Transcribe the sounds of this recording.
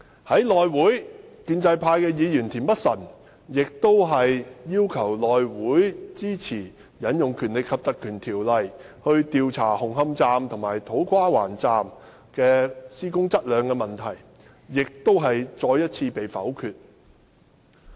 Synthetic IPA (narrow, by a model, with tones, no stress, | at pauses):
hɐ˨˥jlɔː˨jwuː˨˥jkyː˧nt͡sɐ˧jpʰaː˧jkɛː˧jiː˨˧jyː˨˩nt̪ʰiː˨˩npɐ˥t̚sɐ˨˩n | jɪ˨k̚t̪o˥wɦɐ˨jjiː˥wkʰɐ˨˩wlɔː˨jwuː˨˥jt͡siː˥t͡sʰiː˨˩ | jɐ˨˥njʊ˨ŋkʰyː˨˩nlɪ˨˩kʰːɐ˨p̚t̪ɐ˨kʰːyː˨˩nt̪ʰiː˨˩wlɐ˨j | hɵ˧ɥt̪iː˧wt͡sʰa̰ː˨˩hʊ˨˩ŋhɐ˧mt͡saː˧mt̪ʰʊ˨˩ŋmaː˨˩jt̪ʰo˨˥wkʰaː˥waː˨˩nt͡saː˨˧m | kɛː˧siː˥kʊ˥ŋt͡sɐ˥t̚lœː˨˧ŋkɛː˧mɐ˨˩nt̪ʰɐ˨˩j | jɪ˨k̚t̪o˥wɦɐ˨jt͡sɔː˧jɐ˥t̚t͡sʰiː˧pe˨jfɐ̰˨˥wkʰyː˧t̚